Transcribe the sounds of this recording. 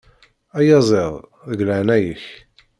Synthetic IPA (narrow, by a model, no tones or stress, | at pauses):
æjɑzˤeðˤðəɡləʕnæjəç